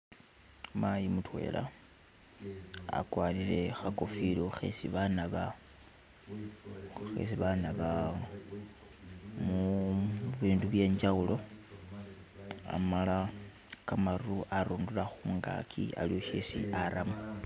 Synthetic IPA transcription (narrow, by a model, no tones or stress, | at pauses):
majimutwe̞̰ːlʔa̰ | a̰kwaːlile̞xakofiloxḛsiβanaβa | xḛsiβanaβa | mu | βiːnduβje̞ːɲd͡ʒaɣulo̞ | a̰mala | kamaɾuʔaɾoːndulaxuːŋɡa̰kʰia̰lioʃesḭʔaɾʔamu